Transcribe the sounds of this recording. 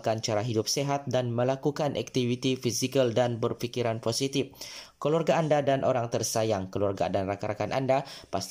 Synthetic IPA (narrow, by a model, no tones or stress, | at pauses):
kant͡ʃaɾaɦidʊp̚seɦat̪̚danməlakukanʔa̰k̚t̪ivit̪ifisikəldanbərfikiɾanposit̪ifkəluarɡaːndadanʔoɾaŋt̪ərsajaŋkəluarɡa̰danrakaɾakanʔa̰ndapast̪